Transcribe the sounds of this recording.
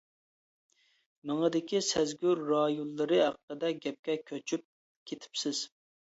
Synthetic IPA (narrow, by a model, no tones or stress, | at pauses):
mɨŋəd̪ɪkʲisɛzɡʲyɾːɑjulˠːɨɾɨɦæq̚ːəd̪ɛɡʲɛp̚kʲɛkʲʰøt͡ʃʰyp̚ | kʲʰet̪ʰɪ̥psɪz̥